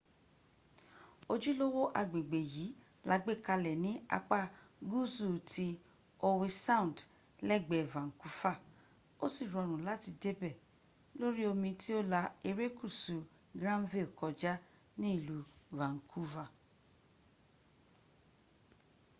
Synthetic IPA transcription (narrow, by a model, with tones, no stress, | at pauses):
o˧d͡ʒu˦lo˦wo˦ʔa˧ɡ͡be˨ɡ͡be˨ji˨˦ | la˨˦ɡ͡be˦˨ka˧lɛ˨nĩ˨˦a̰˧k͡pa˦ | ɡu˦˨zu˦˨ti˧ | o˧we˧sã˦ũ˨d | lɛ˦˨ɡ͡bɛ˨vã˨ŋ̩˨ku˦fa˦˨ | o˦si˦˨ɾɔ˨˧˨ɾ̃ũ˨la˨˦ti˧de˦bɛ˦˨ | lo˦ɾi˦o˧mĩ˧ti˦o˦la˧e˧ɾe˦ku˦˨su˨ | ɡɾã˦nvi˦˨lkɔ˨d͡ʒa˦ | nĩ˦i˦˨lu˨va˨ŋ̩˨kʰu˦va˦˨